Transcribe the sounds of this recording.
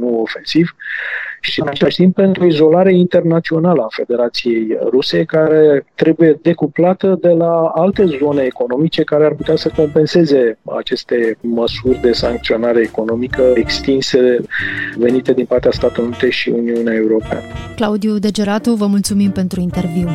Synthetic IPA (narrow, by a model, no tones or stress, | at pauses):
nuo̞fe̞nsiv | ʃiɨnat͡ʃelaʃt̪imp̚pe̞nt̪ɾuoizo̞laɾe̞int̪e̞rnat̪sio̞naləafe̞d̪e̞ɾat̪sije̞jruse̞kaɾe̞t̪ɾe̞buje̞d̪e̞kuplat̪əd̪e̞laalt̪e̞zo̞ne̞ːko̞no̞mit͡ʃe̞kaɾearput̪easəko̞mpe̞nse̞ze̞a̰t͡ʃe̞st̪e̞məsurʲd̪e̞saŋkt̪sio̞naɾe̞ːko̞no̞mikəekst̪inse̞ | ve̞nit̪e̞d̪inpart̪east̪at̪elunit̪eʃḭuniuneae̞uɾo̞pea̰nəklaud̪iud̪e̞d͡ʒe̞ɾat̪uvəmult̪sumimpe̞nt̪ɾuint̪e̞rviw